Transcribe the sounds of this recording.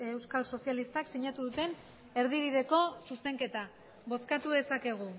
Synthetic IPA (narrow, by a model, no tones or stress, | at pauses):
ewskalso̞sijalist̪aksiɲat̪uðut̪e̞n | e̞ɾð̞iβiðe̞ko̞suse̞ŋke̞t̪a | βo̞skat̪uðe̞sake̞ɣ̞u